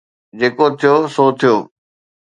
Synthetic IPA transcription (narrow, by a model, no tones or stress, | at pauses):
d͡ʑeːkot̪ʰijosoːt̪ʰijoː